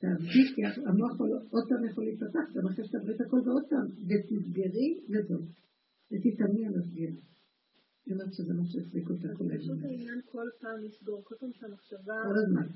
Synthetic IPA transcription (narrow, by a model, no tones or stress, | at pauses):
t̪aːvdikkːiaamoaχolʔod̪̚paːmjaχolit̪pataχɡamaχeʃe̥t̪abʁit̪hako̞lveod̪̚paːmvet̪nisɡeʁilazov | et̪it̪amialasɡen | jomeʁtʃezemaʃeefdikot̪akolḛnainjankʰolpaːmisɡoʁkolpamʃamaχʃavakkːolazma̰n